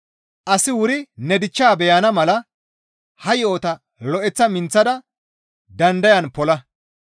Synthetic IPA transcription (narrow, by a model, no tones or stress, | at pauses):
ʔɐsɪwʊɾɪnɛd̪ɪt͡ʃːaːbɛjɐnɐmɐlɐ | hɐjoːt̪ɐ | lɔʔɛt͡sːɐmɪnt͡sːɐd̪ɐ | d̪ɐnd̪ɐjɐnpɔlɐ